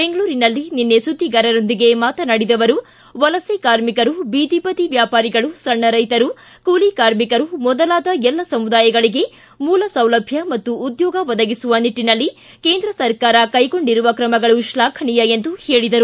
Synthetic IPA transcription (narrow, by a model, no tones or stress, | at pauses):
beŋɡɐɭuːɾinɐlːininːesud̪ʱːiɡɐɾɐɾo̞nd̪iɡe̞maːt̪ɐnɐɽid̪ɐʋɐɾu | ʋɐlɐsekaːɾmikɐɾubiːd̪ipɐt̪iʋjaːpaːɾiɡɐɭusɐɳːɐɾɐjt̪ɐɾu | kuːlikaːɾmikɐɾumɔd̪ɐlaːd̪ɐɛlːɐsɐmud̪aːjɐɡɐɭiɡe̞ | muːlɐsɐwlɐbʱjɐmɐt̪ːuːd̪jɔːɡɐʋɐd̪ɐɡisuʋɐniʈːinɐlːi | ke̞ːnd̪ɾɐsɐɾkaːɾɐkɐjko̞ɳɖiɾuʋɐkɾɐmɐɡɐɭuʃlaːkʰɐɳijɐend̪uhe̞ːɭid̪ɐɾu